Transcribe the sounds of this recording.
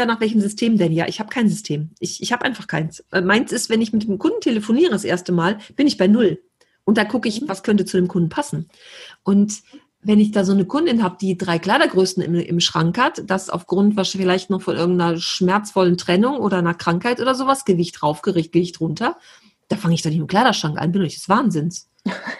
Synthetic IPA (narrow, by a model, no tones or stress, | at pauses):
jaːnaːχv̥ɛlç̬əmzʏstʰeːmdɛnja̰ːʔɪ̰çhaːb̥əkʰaɪnzʏstʰeːmʔɪçɪçhaːbəʔa̰ɪnfaχkʰaɪnsmaɪnsɪstv̥ɛnɪçmɪtd̥eːmkʰʊnd̥n̩tʰeləfoniːʁədasʔḛːɐstəmaːlb̥ɪnɪçb̥aɪnʊl | ʔʊnt̚d̥aːkʰʊkəɪçvaskʰœntət͡sudeːmkʰʊndn̩pʰasn̩ | ʔʊnt | vɛnɪçd̥aːzoːnəkʰʊndɪnhaːbəd̥iːdʁaɪkl̥aɪdɐɡʁøːsn̩ɪ̰mʔɪ̰mʃʁ̥aŋkhatd̥asa̰ʊfɡ̥ʁʊntv̥asfɪlaɪçtnɔχfɔnʔɪ̰ɐɡŋ̩tnɐʃmɛɐt͡sfɔləntʁ̥ɛnʊŋʔoːɾɐnakʁ̥aŋkhaɪtʔoːdɐzoːvasɡ̥əvɪçtʁaʊfɡ̥əʁɪçt̚ɡ̥əvɪçtʁʊntʰɐ | d̥aːfaŋəɪçd̥anɪçmɪkʰl̥aɪdɐʃʁ̥aŋkʔa̰nbɪnʊnɪçd̥ɛ̥sv̥aːnzɪns